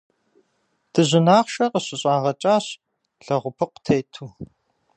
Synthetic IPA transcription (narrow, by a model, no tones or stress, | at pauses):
d̥ɨʑʷɪnaːχʃɐqəɕɪɕʼaːʁɐt͡ʃʼaːɕ | ɬɐʁʷʊpʰɨqtʰejtʰuː